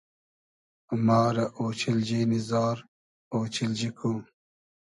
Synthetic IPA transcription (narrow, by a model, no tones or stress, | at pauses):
maːɾɐʔoːt͡ɕʰild͡ʑiːnizɑːɾ | oːt͡ɕild͡ʑikʰu